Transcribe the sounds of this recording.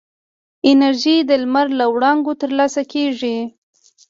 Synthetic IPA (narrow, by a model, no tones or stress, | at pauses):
ɪnaɾʒid̪əlmaɾlawɽɑŋɡot̪əɾlɑsakeʐi